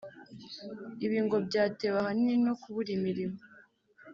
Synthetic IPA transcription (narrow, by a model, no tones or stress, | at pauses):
iβiːŋɡo̞bɟaːte̞βahaninokuβuɾimiɾimo